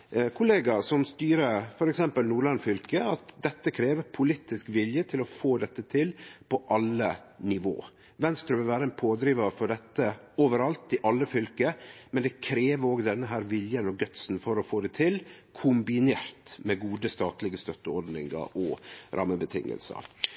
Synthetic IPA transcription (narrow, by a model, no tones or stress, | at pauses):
kʰʊleːɡɑsɔmst̪yːɾəfɔɾɛksɛmpəlnuːɾɭɑnfʏlkəɑt̪d̪ɛt̪ːəkʰɾeːʋəɾpʰʊlɪt̪ːɪskʋɪljət̪ʰɪlɔfoːd̪ɛt̪ːət̪ʰɪlpʰɔʔɑlːənɪʋo̰ː | ʋɛnst̪ɾʉmɪlʋæːɾəɛnpʰoːd̪ɾiːʋɑfɔɖɛt̪ːə | oːʋəɾɑlt̪ɪʔɑlːəfʏlkəmɛnd̪ɛkʰɾeːʋəoːɡd̪ɛnːəɦæːɾʋɪljənɔɡœt̪snfɔɾɔfoːd̪ɛt̪ʰɪlkʰʊmbɪneːɾt̪mɛɡuːd̪əst̪ɑːt̪lɪɡəst̪œt̪ːəɔɾɖ̪nɪ̰ŋɑ̰ɾʔɔɾʔɑ̰mːəbət̪ʰɪ̰ŋːə̰lsə̰ɾ